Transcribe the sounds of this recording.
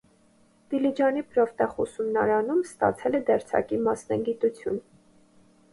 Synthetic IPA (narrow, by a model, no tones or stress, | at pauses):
d̪̥ilid͡ʒɑnipɾɔft̪ɑχusumnɑɾɑnumst̪ɑ̰t͡sʰɛlɛd̪ɛɾt͡sʰɑ̰kimɑsnɑ̰ɡit̪ut͡sʰjun